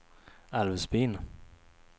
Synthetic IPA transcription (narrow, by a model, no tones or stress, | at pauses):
alvsbiːn